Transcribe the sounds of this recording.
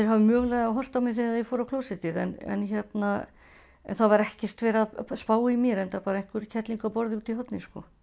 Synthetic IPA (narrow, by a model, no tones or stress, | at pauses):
θeɾ̥ɦavɪmœːɣlɛɣðaɦɔr̥t̪amɪθiaðɛfɔːɾakʰloːwsɪt̪ɪðɛnɛ̰nçjɛt̪na | ɛ̰nθavaɾɛhcɛr̥t̪vɛːɾaðspaːwimjɛɾɛnt̪apaːɾaejŋ̥kʏɾcʰɛt̪liŋkapɔɾðɪuːt̪iɦœt̪nɪskɔ̰